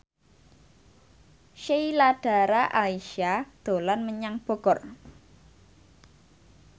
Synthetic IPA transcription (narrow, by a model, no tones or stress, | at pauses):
ʃejlaɖ̥a̤ɾaʔaiʃad̪̥o̤lanməɲaŋb̥o̤ɡ̥ɔr